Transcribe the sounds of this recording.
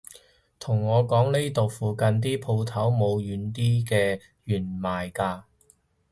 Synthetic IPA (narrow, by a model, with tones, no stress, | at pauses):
t̪ʰʊ˨˩ŋːɔː˨˧kɔː˨˥ŋne˥jt̪o˨wfuː˨˧kɐ˧nt̪̬iː˥pʰo˧wt̪ʰɐ˨˥wmo˨˧wjyː˨˧˥nt̪iː˥kɛː˧ | jyː˨˩nmaː˨˩jkaː˧